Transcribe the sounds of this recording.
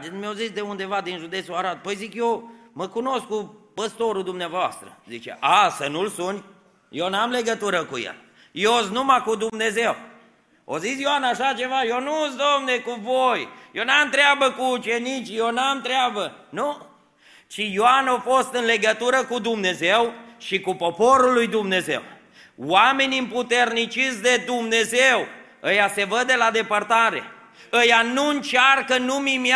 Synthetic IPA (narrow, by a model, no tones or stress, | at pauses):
d̪enmjozisd̪e̞und̪e̞vad̪inʒud̪e̞t̪suaɾat̪̚pəjzikjewməkuno̞skupəst̪o̞ɾud̪umneavoa̰st̪ɾə̰zit͡ʃḛʔasənulsunʲ | jewnamle̞ɡət̪uɾəkujḛ | jeos̬numakud̪umne̞ze̞w | o̰zisjoanaʃat͡ʃe̞vajonusd̪omnekuvojjewnamt̪ɾeɪabəkuːt͡ʃe̞nit͡ʃijenamt̪ɾeabənu | t͡ʃijoanofo̞st̪ɨnle̞ɡət̪uɾəkud̪umne̞zewʃikupo̞po̞ɾulujd̪umne̞ze̞̰w | wame̞nʲimput̪e̞rnit͡ʃitsd̪e̞d̪umne̞zew | əjase̞vəd̪e̞lad̪e̞pərt̪aɾe̞̰ | əjanuɨnt͡ʃarkənumim